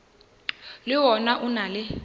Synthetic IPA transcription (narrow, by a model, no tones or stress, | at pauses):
lɪwɔnaʔunalɛ